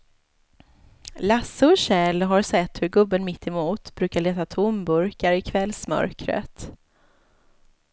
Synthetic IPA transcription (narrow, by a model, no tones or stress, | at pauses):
lasːəɔɕɛːlɦaɾsɛt̪ːhɵɾɡɵbːənmɪt̪ʰːɛmuːt̪bɾʉ̟ːkaɭeːt̪at̪ʰʊmbɵɾkaɾɪkʰvɛlsmœ̰ɾkɾə̰t̪